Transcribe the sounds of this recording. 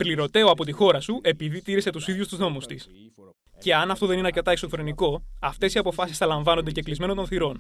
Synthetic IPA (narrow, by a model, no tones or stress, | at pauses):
pliɾo̞t̪e̞o̞ɐpo̞t̪ixo̞ɾɐsuʔe̞piðit̪iɾise̞t̪usiðʝust̪uzno̞must̪is | ce̞ɐnɐft̪o̞ðe̞nineɐɾce̞t̪ɐe̞kso̞fɾe̞niko̞ɐft̪e̞siɐpo̞fɐsisθɐlɐɱvɐno̞nd̪e̞ceklizme̞not̪o̞nθiɾo̞n